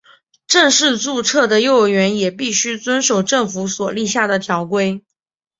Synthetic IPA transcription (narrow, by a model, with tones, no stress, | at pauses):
ʈ͡ʂɤ˥˧ŋʂɻ̩˥˧t͡su˥˧ʈ͡ʂʰɤ˥˩d̪ə˩jo˥˩ʊɥɛ˧˥njɛ˨˩pi˥˩ɕy˥t͡swə˥nʂo˨˩ʊʈ͡ʂɤ˥˩ŋfu˧˥swɔ˨˩li˥˧ɕja˥˩d̪ə˩t̪ʰjɑ˧˥ʊkwe˥ɪ